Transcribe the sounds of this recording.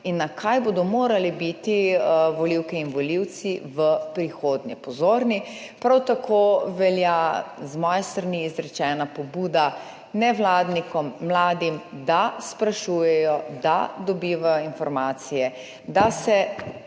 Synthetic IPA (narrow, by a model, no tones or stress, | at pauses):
inːakʰajbod̪ɔmoːɾalibit̪iʋɔliwkɛinʋɔliwt̪siʋəpɾixoːd̪nḭpɔzoːɾni | pɾawt̪akʰoʋɛljazmɔːjɛst̪ɾaniːzɾɛt͡ʃɛːnapɔbuːd̪a | nɛʋlaːd̪nikɔmːlaːd̪imd̪aspɾaʃuːjɛjɔd̪a̰d̪ɔbiːʋajɔinfɔɾmaːt̪sijɛ | d̪asɛ